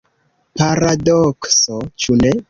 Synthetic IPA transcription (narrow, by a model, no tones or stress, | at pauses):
paɾadoksot͡ʃune